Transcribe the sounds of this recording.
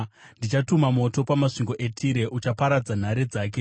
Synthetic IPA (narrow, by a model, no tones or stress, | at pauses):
ndit͡ʃatumamo̞to̞pamaʂiŋɡo̞ʔe̞tʰiɾe̞ʔut͡ʃapaɾad͡zan̤aɾed͡zaːk̬e̞